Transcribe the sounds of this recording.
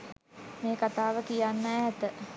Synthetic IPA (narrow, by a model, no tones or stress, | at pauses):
meːkat̪aːʋəkijanːəæɦɛt̪ə